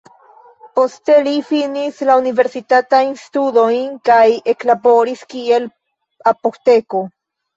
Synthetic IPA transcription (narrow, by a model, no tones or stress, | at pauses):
post̪elifinislaunive̞ɾsit̪at̪ajnst̪udo̞jnkaje̞klabo̞ɾiskie̞l | apokt̪eko